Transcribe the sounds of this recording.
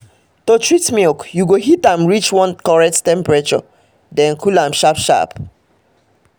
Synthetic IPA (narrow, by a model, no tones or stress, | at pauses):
totɹitmilkjuɡoɦitãmɹit͡ʃwɔ̃nkɔɹɛk̚ttɛ̃mpɹet͡ʃɔ̰ | dɛ̃nkʰulãmʃapʃa̰p